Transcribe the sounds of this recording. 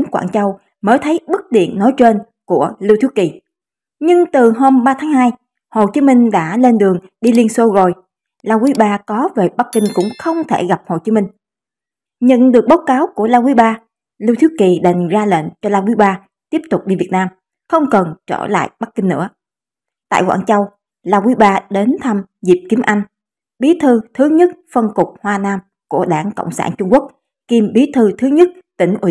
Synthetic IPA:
ŋkwa̰ː˧˩˨nt͡ɕə˧w | məː˨˦t̪ʰə˨˦jɓɨ˦˥k̚ɗḭ˧˨ənːɔ˨˦jt͡ɕwe˧n | ku˧˩əli˧wt̪ʰi˦˥əki˨˩ | ɲɨ˧ŋt̪ɨ˨˩ɦo˧mɓaː˧t̪ʰaː˨˦ŋhɦaː˧j | ho˨˩t͡ɕi˨˦mï˧ŋ̟ɗa̰ː˧˥le˧nɗɨ˨˩əŋ | ɗi˧li˧ənso˧zo˨˩j | laː˧wi˨˦ɓaː˧kɔ˨˦ve˨˩ɓa˦˥kkï˧ŋ̟kʊ̰˧˥ŋ͡mxə˧wŋ͡mt̪ʰe˧˩ɣa˨˩p̚ho˨˩t͡ɕi˨˦mï˧ŋ̟ | ɲə̰˧˨nɗɨ˨˩ək̚ɓaː˨˦wkaː˨˦wku˧˩əlaː˧wi˨˦ɓaː˧ | li˧wt̪ʰi˦˥k̚ki˨˩ɗa˨˩jŋ̟zaː˧lḛ˧˨nt͡ɕɔ˧laː˧wi˨˦ɓaː˧ | t̪i˦˥əp̚t̪ʊ˨˩k͡p̚ɗi˧vi˨˩ət̚naː˧m | xə˧wŋ͡mkə˨˩nt͡ɕɔ̰˧˩la̰ː˧˨jɓa˦˥kːï˧ŋnɨ̰˧˥ə | t̪a̰ː˧˨jkwa̰ː˧˨nt͡ɕa˧w | laː˧wi˨˦ɓaː˧ɗe˨˦nt̪ʰa˧m | zi˨˩p̚ki˨˦mʔa˧jŋ̟ | ɓi˨˦t̪ʰɨ˧t̪ʰɨ˨˦ɲɨ˦˥t̚fə˧nkʊ˨˩k͡p̚hwaː˧naː˧m | ku˧˩əɗaː˧˩ŋko̰˧˨wŋ͡msaː˧˩nt͡ɕʊ˧ŋ͡mku˦˥ək̚ | ki˨˧˩mɓi˨˦t̪ʰɨ˧t̪ʰɨ˨˦ɲə˦˥t̚t̪ï˧˩ŋ̟ʔi˧˩˨

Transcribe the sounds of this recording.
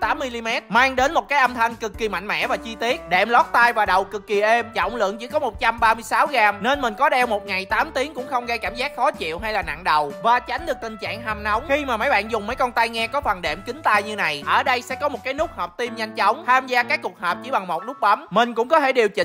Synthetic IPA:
t̪aː˨˦mːi˧li˧mɛ˦˥t̚maː˧ŋɗe˨˦nmo˨˩t̚kaː˨˦jʔə˧mt̪ʰa˧ŋkɨ˨˩kːi˨˩ma̰˧˨ŋ̟mɛ̰˧˥vaː˨˩t͡ɕi˧t̪i˦˥ət̚ɗɛ̰˧˩mlɔ˦˥k̚t̪aː˧jvaː˨˩ɗə˨˩wkɨ˨˩kːi˨˩ʔe˧mt͡ɕɔ̰˧˨˩wŋ͡mlɨ̰˧˨əŋt͡ɕi˧˩kɔ˨˦mo˨˩t̚t͡ɕa˧mɓaː˧mɨ˧əjsaː˨˦wɣaː˧˩mne˧nmï˨˩ŋ̟kɔ˨˦ɗɛ˧wmo˨˩t̚ŋa˨˩jt̪aː˨˦mt̪i˨˦əŋkʊ̰˧˥ŋ͡mxə˧wŋ͡mɣa˧jkaː˧˩mzaː˦˥t̚xɔ˨˦t͡ɕḭ˧˨əwɦa˧jlaː˨˩na̰˧˨ŋɗə˨˩wvaː˨˩t͡ɕa˨˦jŋ̟ɗɨ˨˩ək̚t̪ï˨˩ŋ̟t͡ɕa̰ː˧˨ŋha˨˩mna˨˦wŋ͡mxi˧maː˨˩mə˨˦jɓa̰ː˧˨nzʊ˨˩ŋ͡mmə˨˦jkɔ˧nt̪aː˧jŋɛ˧kɔ˨˦fə˨˩nɗɛ̰˧˩mkï˨˦ŋ̟t̪aː˧jɲɨ˧na˨˩jʔəː˧˩ɗə˧jsɛ̰˧˥kɔ˨˦mo˨˩t̚kaː˨˦jnʊ˦˥k̚həː˨˩p̚t̪i˧mɲa˧jŋ̟t͡ɕɔ˨˦wŋ͡mt̪ʰaː˧mzaː˧kaː˦˥kːu˨˩ək̚həː˨˩p̚t͡ɕi˧˩ɓa˨˩ŋmo˨˩t̚nʊ˦˥k͡p̚ɓa˨˦mmï˨˩ŋ̟kʊ̰˧˥ŋ͡mkɔ˨˦t̪ʰe˧˩ɗi˨˩əwt͡ɕï˧˨

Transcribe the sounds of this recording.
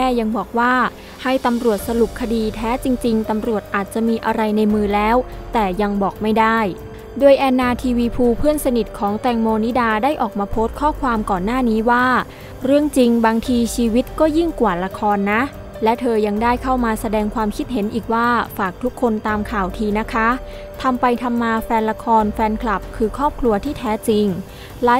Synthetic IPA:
ɛː˥˩ja˧ŋbɔː˨˩k̚waː˥˩ | ha˥˩jt̪a˧mɾu˨˩ət̪̚sa˧lu˨˩p̚kʰa˧diː˧t̪ʰɛː˦˥t͡ɕi˧ŋt͡ɕi˧ŋt̪a˧mɾu˨˩ət̪̚ʔaː˨˩t̪̚t͡ɕa˨˩ʔmiː˧ʔa˧ɾa˧jna˧jmɯː˧lɛː˦˥wt̪ɛː˨˩ja˧ŋbɔː˨˩k̚ma˥˩jdaː˥˩j | doː˧jʔɛː˧nːaː˧t̪ʰiː˧wiː˧pʰuː˧pʰɯ˥˩ənsa˧ni˨˩t̪̚kʰɔː˩˦ŋt̪ɛː˧ŋmoː˧ni˦˥daː˧daː˥˩jʔɔː˨˩k̚maː˧pʰoː˦˥t̪̚kʰɔː˥˩kʰwaː˧mkɔː˨˩nːaː˥˩niː˦˥waː˥˩ | ɾɯ˥˩əŋt͡ɕi˧ŋbaː˧ŋt̪ʰiː˧t͡ɕʰiː˧wi˦˥t̪̚kɔː˥˩ji˥˩ŋkwaː˨˩la˧kʰɔː˧nːa˦˥ | lɛ˦˥t̪ʰɤː˧ja˧ŋdaː˥˩jkʰa˥˩wmaː˧sa˧dɛː˧ŋkʰwaː˧mkʰi˦˥t̪̚he˩˦nʔiː˨˩k̚waː˥˩faː˨˩k̚t̪ʰu˦˥kʰːo˧nt̪aː˧mkʰaː˨˩wt̪ʰiː˧na˦˥kʰa˦˥ | t̪ʰa˧mpa˧jt̪ʰa˧mːaː˧fɛː˧nla˧kʰɔː˧nfɛː˧nkʰla˨˩p̚kʰɯː˧kʰɔː˥˩p̚kʰlu˧ɐt̪ʰiː˥˩t̪ʰɛː˦˥t͡ɕi˧ŋ | laː˦

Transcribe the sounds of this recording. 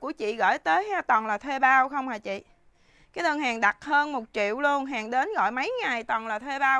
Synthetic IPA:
ku˧˩ət͡ɕḭ˧˨ɣə̰ː˧˩˨jt̪əː˨˦jha˧t̪wɔ˨˩nlaː˨˩t̪ʰwe˧ɓaː˧wxə˧wŋ͡mhaː˨˩jt͡ɕḭ˧˨ | kaː˨˦jnə˧ŋɦaː˨˩ŋɗa˨˩t̚həː˧nmo˨˩t̚t͡ɕḭ˧˨wlu˧ənɦaː˨˩ŋɗe˨˦nɣɔ̰˧˨jmə˨˦jŋa˨˩jt̪ɔ˨˩nlaː˨˩t̪ʰwe˧ɓaː˧w

